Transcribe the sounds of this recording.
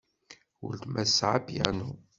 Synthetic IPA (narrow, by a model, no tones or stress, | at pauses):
wʊ̰lt̪mæsʕabja̰nu